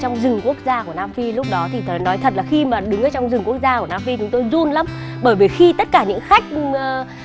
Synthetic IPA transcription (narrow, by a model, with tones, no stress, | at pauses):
t͡ɕɔ˧wŋ͡mzɨ˨˩ŋku˦˥ək̚zaː˧ku˧˩ənaː˧mvi˧lʊ˦˥k͡p̚ɗɔ˨˦t̪ʰi˨˩t̪ʰə˨˩nɔ˨˦jt̪ʰə˨˩t̚laː˨˩xi˧maː˨˩ɗɨ˨˦ŋʔəː˧˩t͡ɕɔ˧wŋ͡mzɨ˨˩ŋku˦˥ək̚zaː˧kənaː˧mfi˧t͡ɕʊ˨˦ŋ͡mt̪o˧jzu˧nla˨˦m | ɓəː˧˩jvəː˧˩jxi˧t̪ə˦˥t̚kaː˧˩ɲɨ̰˧˥ŋxa˦˥jk̟̚ː